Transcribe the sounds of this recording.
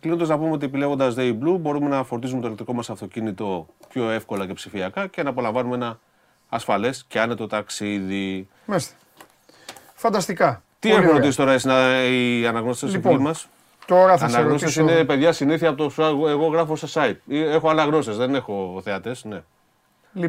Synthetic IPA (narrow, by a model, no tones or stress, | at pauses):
klinond̪oznɐpumeot̪iepile̞ɣond̪ɐzðeiblubo̞ɾume̞nɐfo̞ɾt̪izumet̪olkt̪ɾiko̞mɐsɐft̪o̞cinit̪o̞pço̞e̞fko̞lɐce̞psifiɐkɐce̞nɐːpo̞lɐɱvɐnumeenɐː | sfɐle̞sceɐnet̪ot̪ɐksiði | mest̪e̥ | fɐnd̪ɐst̪ikɐ | t̪iexumeɾot̪isist̪oɾɐesnɐiɐnɐɣnot̪esestoflmɐs | t̪oɾɐɐnɐɣnos̬esinepe̞ðʝɐsiniθiɐpot̪osuɐɣoeɣo̞ɣɾɐfost̪ɐsɐip̚iexo̞ɐnɐɣno̞st̪e̞zðe̞ne̞xo̞θe̞ɐt̪e̞sne̞